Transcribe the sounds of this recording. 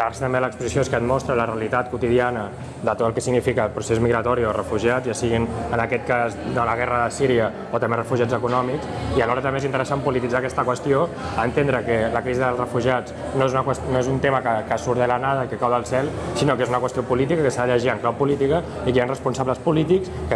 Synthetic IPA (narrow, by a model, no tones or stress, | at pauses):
aɾsə̥t̪əmbeələkspuzisioeskət̪mɔst̪ɾələrəəlit̪at̪̚kut̪iðianə | ðət̪ot̪əlˠkɛsiɣnifikəlpɾusezmiɣɾət̪ɔɾiorəfuʒiad͡zzjasiɣinənəkɛt̪̚kazd̪ələɣ̞ɛrəðəsiɾiə | ot̪əmberəfuʒiad͡zəkunɔmiksiəlɔɾət̪ə̃mbezint̪əɾəsampulit̪id͡zakɛst̪əkwəst̪ioəːnt̪end̪ɾəkələkɾiziðəlˠzrəfuʒiad͡z | noezunəkwəst̪noezunt̪eməkəkəsuɾðelənaðəikəkawðəlˠsɛlˠsinokezunəkwəst̪ijopulit̪ikəkəsaðəʎəʒiəŋklawpulit̪ikə | ikeanrəspunsaβləspulit̪ikskə